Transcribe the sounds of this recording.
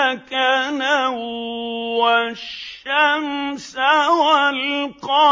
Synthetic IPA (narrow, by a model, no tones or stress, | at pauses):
kana | waʃamsawalqɑ